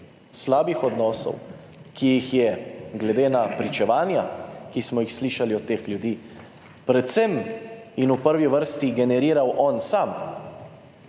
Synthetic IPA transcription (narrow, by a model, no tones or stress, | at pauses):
slaːbixɔd̪nɔːsɔ̰w | kijixjɛɡlɛd̪eːnapɾit͡ʃɛʋaːnjakismɔjixsliːʃaliɔt̪ːeːxlʲjud̪iː | pɾɛt̪sɛminupəɾʋiʋəɾst̪iɡɛnɛɾiːɾawʔɔnsaːm